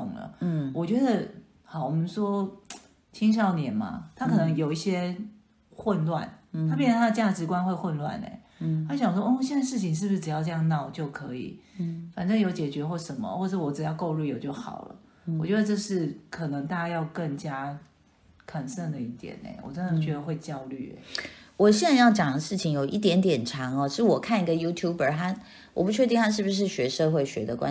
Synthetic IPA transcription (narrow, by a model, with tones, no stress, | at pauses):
ʊ̰˨˩ŋlə̰˩wʔɔ˨t͡ɕɥɛ˧˥d̪ə˨ | xɑ˨˩wɔ˨˩mə˦nʂwɔ˥ | t͡ɕʰi˥ŋʂ̬jɑ˥˩ʊnjɛ˨˩nma̰˨t̪ʰa˥kʰɤ˨˩nə˧˥ŋjo˨˩ʊi˥˩ɕjɛ˥ | xwə˥˧nlwa̰˥˩nʰa˥pjnə˩t̪ʰa˥d̪ə˧t͡ɕja˥˩ʈ͡ʂɻ̩˧˥kwa˥nxwe˥˧ɪxwə˥˧nlwa̰˥˩nḛ˩ɪ | ha˥ɕjɑ˨ŋʂwɔ˥ʔɔ˥˩ɕɛ˥˩na˥˧ɪʂɻ̩˥˩t͡ɕʰi˧˨ŋʂ̬ɻ̩˥˩buʂ̩˥˩ʈ͡ʂɻ̩˨˩jɑ˥˧ʊʈ͡ʂɤ˧jɑ˥˧ŋnɑ˥˩ʊt͡ɕjo˥˩ʊkʰɤ˧˦ḭ˨˩fa˨˩nʈ͡ʂə˥˩ŋjo˧˥ʊt͡ɕjɛ˨˩t͡ɕɥɛ˧˥xwɔ˥˩ʂə˧˦nmə̰˨xwɔ˥˩˧ʈ͡ʂə˥˩wɔ˧˥ʈ͡ʂɻ̩˨˩jɑ˥˧ʊko˥˧ʊlu˥˩jo˨˩ʊt͡ɕjo˥˩ʊxɑ̰˨˩ʊlə̰˦ | wɔ˨˩t͡ɕɥɛ˧˥d̪ə˧ʈ͡ʂɤ˥˧ʂɻ̩˥˩kʰɤ˨˩nɤ˧˥ŋt̪a˥˧t͡ɕa˥jɑ˥˧ʊkə˥˩ŋt͡ɕja˥ | kʰə˨˩nsə˥˩ŋd̪ə˩i˥˩t̪jɛ̰˨˩˦nḛ˨˩ɪwɔ̰˨˩ʈ͡ʂə˦nd̪ə˨˧t͡ɕɥɛ˧˥d̪ə˧xwe˥˩ɪt͡ɕjɑ˥ʊly̰˥˩ḛ˨˩wɔ˨˩ɕjɛ˥˧na˥˧jɑ˥˩ʊt͡ɕjɑ˨˩ŋd̪ə˦ʂɻ̩˥˩t͡ɕʰi˨ŋjo˨˩ʊʔi˥˩t̪̬jɛ˧˥nt̪jɛ˨˩nʈ͡ʂʰɑ˧˥ŋɔ˧ʂɻ̩˥˩wɔ˨˩kʰa˥˩ni˧˥ɡə˧ju˥t̪ʰju˥bə˞˨˩ta˥ | wɔ̰˨˩pu˥t͡ɕʰɥɛ˥˧t̪̬i˥˩ŋh̪a˥ʂ̬ɻ̩˥˩bu˩ʂ̬ɻ̩˥˩ɕɥɛ˧˥ʂɤ˥˧xwe˥˩ɪɕɥɛ̰˧˦d̪ə˧˨kwa̰˦